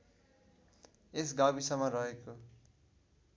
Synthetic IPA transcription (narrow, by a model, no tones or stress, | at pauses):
es̬ɡabisʌmʌrʌɦeko